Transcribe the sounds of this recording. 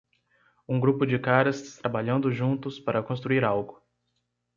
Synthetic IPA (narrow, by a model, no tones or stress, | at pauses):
ũɡɾupʊd͡ʒɪkaɾɐst̪ɾabaʎɐ̃nd̪ʊʒũnt̪ʊspaɾɐkõst̪ɾuiɾawɡʊ